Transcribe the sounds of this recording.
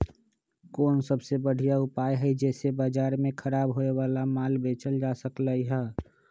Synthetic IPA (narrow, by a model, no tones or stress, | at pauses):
koːnsəbsebəɽ̤ʱijaʊpaːjɦid͡ʒɛːsebaːd͡ʒaːɾmẽkʰəɾaːbɦoewaːlamaːlbeːt͡ʃəld͡ʒaːsəkləiɦɛː